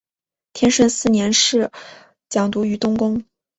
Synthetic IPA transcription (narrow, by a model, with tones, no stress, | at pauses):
t̪ʰjɛ˥nʂə˥˧nsɹ̩˥˩njɛ˧˥nʂɻ̩˥˩ | t͡ɕjɑ˨˩ŋt̪u˧˥y˧˥t̪ʊ˥ŋkʊ˥ŋ